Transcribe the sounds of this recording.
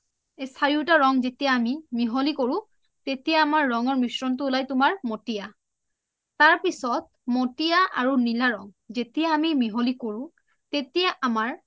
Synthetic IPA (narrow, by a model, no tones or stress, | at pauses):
esaɹiʊtaɹɔŋzetijaːmimiɦolikoɹʊ̃ | tetijaːmaɹːɔŋɔɹmisɹɔntʊːlajtʊmaɹmotija | taɹpisɔt̚motijaʔa̰ɹunilaɹɔŋzetijaːmimiɦolikoɹʊ̃ | tetijaʔamaɹ